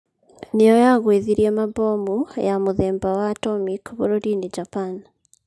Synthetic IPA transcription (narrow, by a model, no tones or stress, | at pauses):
nejɔjaɣweðiɾiemabomujamuðeːmbawatɔmikβoɾodinid͡ʒapan